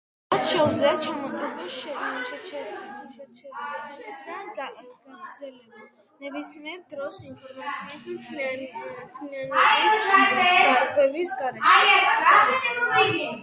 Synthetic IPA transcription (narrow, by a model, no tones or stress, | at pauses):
at̪sʃɛud̪zliat͡ʃʰamɔɡ̪ʰɾɛbiʃɛʃɛt͡ʃʰɛɾʃɛt͡ʃʰɛɾɛɛd̪adaɡaɡɾd̪zɛlɛba | nɛbismiɛɾd̪ɾɔsinpʰɔɾmat̪sʰiismt̪ʰlmt̪ʰlianɛisaak̪ʰʼɛbisɡaɾɛʃ